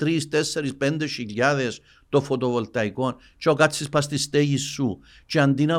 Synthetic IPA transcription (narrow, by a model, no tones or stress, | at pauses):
t̪ɾist̪ɛsːeɾispɛnd̪eʃiʎːaðes | t̪ofot̪ovolt̪ɐjkon | t͡ʃokat̪sispast̪ist̪eʝisːu | t͡ʃeand̪inɐ